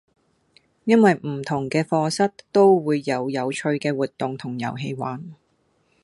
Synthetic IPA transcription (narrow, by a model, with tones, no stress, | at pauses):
jɐ˥nwɐ˨jm̩˨˩t̪ʰʊ˨˩ŋkɛː˧fɔː˧sɐ˥t̚t̪o˥wwuː˨˧jːɐ˨˧wjɐ˨˧wt͡ʃʰɵ˧ɥkɛː˧wuː˨˩t̚t̪ːʊ˨ŋt̪ʰʊ˨˩ŋjɐ̰˨˩wɦe˧jwaː˨˥n